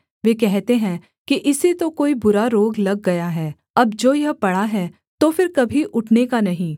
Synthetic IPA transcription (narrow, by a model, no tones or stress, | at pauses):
ʋeːk̬ɛɦt̪eɦɛ̃ | kiʔɪset̪okoːibʊɾaɾoːɡlɐɡːɐjaɦɛː | ɐb̚d͡ʒoːjɐɦpɐɽaɦɛː | t̪oːfɪɾkɐbʱiʔʊʈʰnekanɐɦĩː